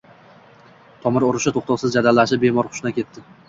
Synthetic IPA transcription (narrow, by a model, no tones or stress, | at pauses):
t̪ʰɒmɪɾʊɾʊʃat̪ʰoχt̪ʰɒwsɪzd͡ʒad̪alːaʃɪp̚be̞mɒɾχʊ̥ʃɪnakʲʰe̞t̪ʰːɪ